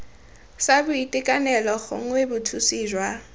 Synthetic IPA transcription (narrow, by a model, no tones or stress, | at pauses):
sabʊitʼikʼanɛlɔɣʊ̰ŋ̩webʊtʰusiːʒwa